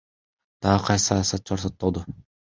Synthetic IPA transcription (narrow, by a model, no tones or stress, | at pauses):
d̪̥ɑʁɯqʰɑjsɨ̥sɑjɑsɑt̪̚t͡ʃʰɑɾsot̪ːolˠd̪ʊ